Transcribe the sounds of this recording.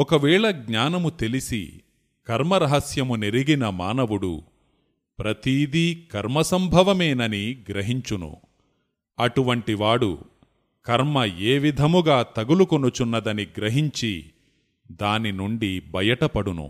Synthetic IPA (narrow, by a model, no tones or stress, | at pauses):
ɔkɐʋɛːɭɐɡɲaːnɐmut̪e̞lisḭ | kɐɾmɐɾɐɦɐsjɐmuneɾiɡinɐmaːnɐʋuɽṵ | pɾɐt̪id̪ikɐɾmɐsɐmbʱɐʋɐmeːnɐniɡɾɐɦiɲt͡ʃunṵ | ɐʈuʋɐɳʈiʋaːɽṵ | kɐɾmɐeːʋid̪ʱɐmuɡaːt̪ɐɡulukonut͡ʃunːɐd̪ɐniɡɾɐɦiɲt͡ʃi | d̪aːninuɳɖibʱɐjɐʈɐpɐɽunṵ